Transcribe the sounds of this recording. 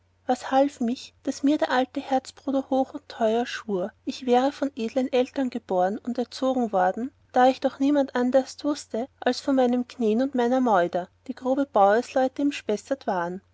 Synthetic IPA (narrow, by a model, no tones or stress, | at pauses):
vashalfmɪçd̥asmiːɐdeːɐʔaltəhɛɐt͡sb̥ʁ̥uːdɐhoːxʊntʰːɔʏɐʃuːɐɪçv̥ɛːʁəfɔnʔeːdlənʔɛltɐnɡəb̥oːɐənʊntɛɐt͡soːɡŋ̩vɔɐdn̩ | d̥aːɪçd̥ɔχniːmantʔandɐstv̥ʊstəʔalsfɔnmaɪnəmkʰneːnʊntmaɪnɐmɔʏdɐd̥iːɡ̥ʁoːbəb̥aʊəslɔʏtəɪmʃpɛsɐtv̥aːʁən